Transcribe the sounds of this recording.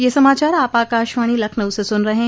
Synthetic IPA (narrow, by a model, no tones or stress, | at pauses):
jesɐmaːt͡ʃaːɾaːpaːkaːʃʋaːɽ̃ilɐkʰnəʊsesʊnɾɐɦẽː